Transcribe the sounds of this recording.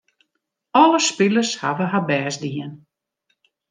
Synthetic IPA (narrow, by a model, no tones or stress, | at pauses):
ɔləspɪlərsha̰ʋəɦabɛːsdiən